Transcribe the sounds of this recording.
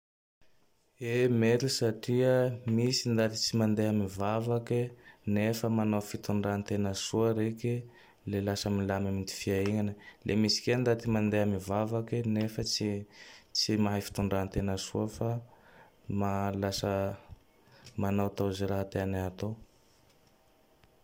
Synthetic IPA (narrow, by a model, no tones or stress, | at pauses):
emeɾisaʈ͡ʂiəmisind̪at̪i̥t͡simand̪eɦamivavakenefəmanofit̪uɳɖ͡ʐant̪enəsuəɾeki | lelasəmilamamind̪i̥fiaiɲanəlʔemisi̥kend̪at̪imand̪eamivavakinefət͡sit͡simaɦafi̥t̪uɳɖ͡ʐant̪enəsuəfa | malasə | manowt̪oziɾaɦat̪eanaat̪o